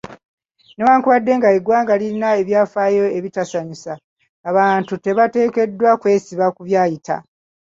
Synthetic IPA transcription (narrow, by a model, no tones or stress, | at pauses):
ne̞waːŋkuβadːe̞ŋɡaeɡwaːŋɡaliɾinae̞βjaːfaːjo̞eβitasaɲisaː | βaːntute̞βate̞ːke̞dːwakwe̞ːsiβakuβjaːjita̰